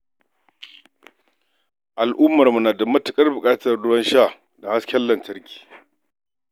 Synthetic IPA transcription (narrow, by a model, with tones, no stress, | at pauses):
ʔa˨lʔʊ˦mːɐ˨rmu˨naː˨dɐ˨mɐ˦tɐ˨kʼɐ˦rbʊ˨kʼaː˦tɐ˨rdʊ˦wɐ˦nʃaː˦˨ | da˨ha˦skʲɛ˦lːɐ˨ntɐ˦rkʲi̥ː˨